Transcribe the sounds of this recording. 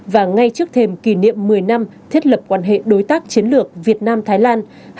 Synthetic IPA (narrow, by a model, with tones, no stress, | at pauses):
vaː˨˩ŋa˧jt͡ɕɨ˦˥ək̚t̪ʰe˧mki˧˩nḭ˧˨əmːɨ˨˩əjna˧mt̪ʰi˦˥ət̚lə˨˩p̚kwaː˧˩nɦḛ˧˨ɗo˨˦jt̪aː˦˥k̚t͡ɕi˨˦ənlɨ˨˩ək̚vi˨˩ət̚naː˧mt̪ʰaː˨˦jlaː˧n